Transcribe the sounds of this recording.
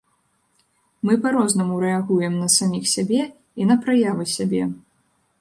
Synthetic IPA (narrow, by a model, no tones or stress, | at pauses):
mɨpaɾɔznɐmuɾɛaɣujɛmnɐsamʲixsʲabʲɛ | inɐpɾajavɨsʲabʲɛ